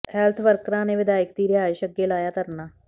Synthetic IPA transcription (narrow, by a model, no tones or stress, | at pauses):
hɛːlt̪ʰʋəɾkɾãːneːʋɪd̪aːɪkd̪iːɾɪɦaːɪʃəɡːeːlaːjaːt̪əɾnaː